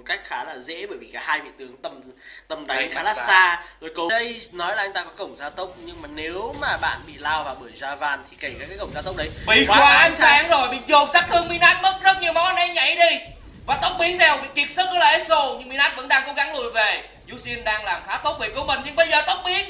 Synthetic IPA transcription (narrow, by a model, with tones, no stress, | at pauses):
m˨˩t̚ka˦˥jk̟̚xaː˨˦laː˨˩zḛ˧˥ɓəː˧˩jvḭ˨˩kaː˧˩haː˧jvḭ˧˨nt̪ɨ˨˩əŋt̪ə˧mt̪ə˧˩mɗa˨˦ŋxaː˨˦laː˨˧saː˧t̪o˧jko˨˦ə˨˦jnɔ˨˦jla˨˩ʔŋt̪aː˧kɔ˨˦kə˧˩wŋ͡mzaː˧t̪ə˦˥wk͡p̚ɲɨ˧ŋmaː˨˩ne˨˦wmaː˨˩ɓa̰ː˧˨nɓḭ˧˨laː˧wvaː˨˩ɓɨ˧˩əjzaː˧vaː˧˩nt̪ʰi˨˩kə˧˩kaː˨˩kaː˨˦jkə˧˩wŋ͡maː˨˧t̪wk͡p̚ɗə˨˦jɓḭ˧˨˦waaː˨˦ʔsaː˨˦ŋzo˨˩jɓḭ˧˨zo˨˩t̚saː˦˥k̚t̪ʰɨ˧əŋmi˧naː˦˥t̚mə˦˥t̚zə˦˥t̚ɲi˨˩əwmɔ˨˦nɛ˨˦ɲa̰˧˥jɗi˧ | vaː˨˩t̪ə˦˥wk͡p̚ɓi˨˦ənt̪ʰɛ˧˨˩wɓḭ˧˨ki˨˩ət̚sə˦˥t̚nɨ˨˦la˧˨ʔe˨˦so˨˧˩ɲɨ˧ŋmi˧naː˦˥t̚və̰˧˥nɗaː˧ŋko˨˦ɣa˨˦ŋlṵ˧˨jve˨˩ | zu˧˦si˧ənɗaː˧ŋlaː˨˩mxaː˨˦t̪o˦˥k͡p̚vḛ˧˨ko˨˧˦mə˨˩nɲɨ˧ŋɓə˧jzəː˨˩t̪ə˦˥wk͡p̚ɓi˨˦ən